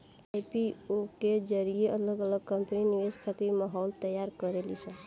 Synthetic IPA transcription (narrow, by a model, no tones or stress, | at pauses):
aipioked͡ʒəɾijeʔələɡələɡ̚kə̃mpəniniʋed͡ʒkʰat̪iɾməɦɔlt̪əjːaɾkəɾelit͡ʃʰɛ